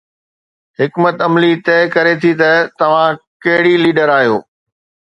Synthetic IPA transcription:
ɦɪkmət̪ɐmlit̪ɛːkɐɾet̪ʰit̪ɐt̪ɐʋ̤ãkɐɦɪɽiliːɖəɾaːɦijo̰ː

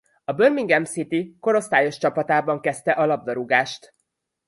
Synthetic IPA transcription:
ɒbørmiŋɡɛmsit̪iko̞ɾo̞st̪aːjo̞ʃt͡ʃɒpɒt̪aːbɒŋkɛst̪ɛʔɒlɒb̚d̪ɒɾuɡaːʃt̪

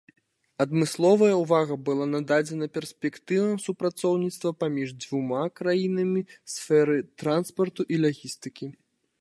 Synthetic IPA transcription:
ɐd̪mɨslˠɔvɐjɐwvaɣɐbɨlˠanad̪ad͡zʲɛnɐpʲɛrsʲpʲɛkt̪ɨvɐsupɾat̪sɔwnʲit̪st̪vɐpamʲiʐd͡zvumakɾajinɐmʲisfɛɾɨt̪ɾanspɐrt̪uʔilʲaɣʲist̪ɨkʲi

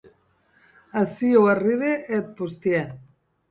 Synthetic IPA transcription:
asiuariβeʔet̪̚pust̪iɛ

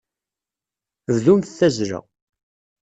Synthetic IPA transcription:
ððumθθːæzɾə̰

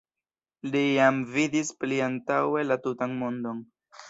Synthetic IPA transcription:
lijamvidispliantawe̞latutanmo̞ndo̞n

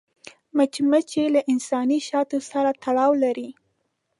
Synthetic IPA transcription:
mat͡ʃmat͡ʃelaʔɪnsɑniʃɑt̪osaɾat̪aɽɑwlaɾi

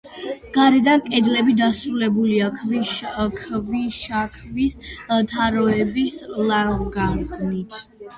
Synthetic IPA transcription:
ɡ̥aɾɛd̪ankʼɛd̪lɛbid̪asɾulɛbuliakʰvikʰviʃakʰvist̪ʰaɾɔɛbislaɡaɾd̪nit̪ʰ

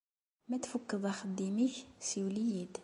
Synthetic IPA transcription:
mæt̪fəkːəd̪ˤæxəd̪ːimiçsiwlijid̪

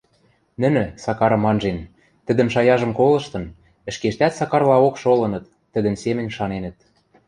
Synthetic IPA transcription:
nə̆nɘ̆sɑkɑɾɤ̆mːɑnʒen | t̪ə̆d̪ə̆mʃɑjɑʒɤ̆mkolɤ̆ʃt̪ɤ̆n | ɘ̆ʃkeʃt̪æt̪sɑkɑrlɑokʃolɤ̆nɤ̆t̪ːə̆d̪ə̆nsemɘ̆nʲʃɑnenə̆t̪̚

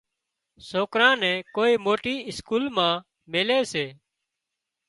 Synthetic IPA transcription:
soːkɾãːnɛ̃ːkoːiːmoːʈiːɪskuːlmãː | meːleːseː

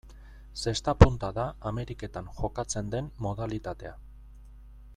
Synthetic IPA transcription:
se̞st̪apunt̪aðaːme̞ɾike̞t̪aŋʝo̞kat͡se̞nd̪e̞nːo̞ð̞alit̪at̪e̞̰a

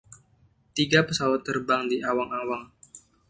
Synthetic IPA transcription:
t̪iɡapəsawat̪ːərbaŋdiʔawaŋawaŋ

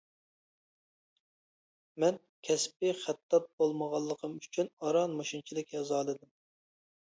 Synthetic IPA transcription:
mɛn | kʲʰɛsp̚ɪχæt̪ʰːɑt̪̚bolˠməʁɑlˠːəqʰəmyt͡ʃʰynɑɾɑnmoʃunt͡ʃʰilˠɪkʲɛzɑːlˠɨd̪ɨm

